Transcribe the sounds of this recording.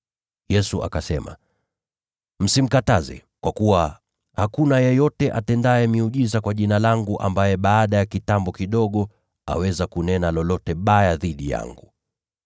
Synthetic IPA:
jɛsuʔa̰kasɛma̰ | m̩sim̩katazɛ̰ | kwakuwa | hakunajɛjɔtɛʔa̰tɛndaɛmiuʄizakwaʄinalaŋɡuʔambajɛɓaːɗajakitambɔkiɗɔɠɔ | a̰wɛzakunɛnalɔlɔtɛɓajaðiɗija̰ŋɡu

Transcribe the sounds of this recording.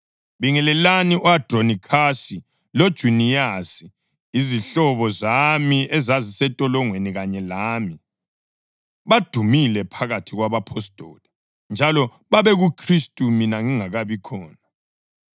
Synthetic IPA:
βiŋɛlɛlaniʔɔadʼronikʰasi | lod̥ʒ̥ʱunijasiː | ziɬɔβɔzamiɛzazisɛtʼɔlɔŋweniɣaɲɛlaːmi | βad̥ʱumilɛpʰaɣatʰiɣwaβapʰɔstʼɔ̰li | nd͡ʒʱalɔ | βaβɛɣukʰristʼuminaŋiŋaɣaβikʰɔːna

